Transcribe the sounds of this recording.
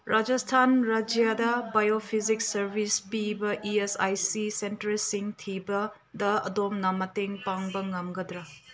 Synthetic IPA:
ɾad͡ʒɐstʰanɾad͡ʒijadɐbajopʰiziksɐɾbʱispibɐʔiesajsisentɐɾsiŋtʰibɐ | dɐɐ̰domnɐmɐteŋpaŋbɐŋɐmɡɐdɾɐ

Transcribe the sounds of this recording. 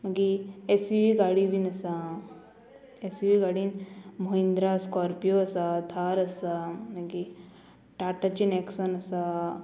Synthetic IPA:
mɐɡiesiʋiɡaːɽibʱinɐsa | esiʋiɡaːɽinmoɦĩnd̪ɾaskɔːɾpijoɐsat̪ʰaːɾɐsanɐki | ʈaːʈɐt͡ʃineːksɐnɐsa

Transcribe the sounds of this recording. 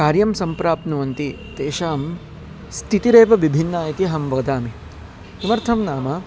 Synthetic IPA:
kaːɾjɐmsɐmpɾaːpnuʋɐnt̪i | t̪eːʃaːm | st̪ʰit̪iɾeːpɐʋibʱinːaːjɐt̪iɦɐmbɐɐd̪aːmi | sumɐɾt̪ʰɐmnaːmɐ

